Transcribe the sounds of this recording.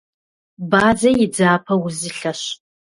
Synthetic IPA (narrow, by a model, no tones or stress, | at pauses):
baːd͡zɐjɪd͡zaːpʰɐwuzɨɬɐɕ